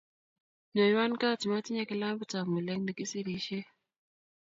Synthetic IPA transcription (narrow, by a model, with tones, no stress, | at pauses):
no˨jwa˦nka˦˨ti˨ma˦ti˦ɲa˦ki˦la˦mbu˨ta˨mu˨lɛ˦ŋndi˨ki˦si˦ɾi˨ʃe˦